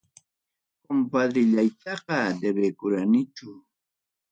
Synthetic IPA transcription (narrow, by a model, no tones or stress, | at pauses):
kʊmpad̪ɪʎajt̪ɑqɑd̪ebekʊɾanɪt͡ʃʊ